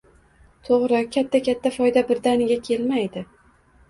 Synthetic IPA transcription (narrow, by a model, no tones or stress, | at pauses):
t̪ʰoʁɾɪkʲʰat̪ʰːakʲʰat̪ʰːafɒjd̪abɪɾd̪anɪɡʲakʲʰe̞lmajd̪ɪ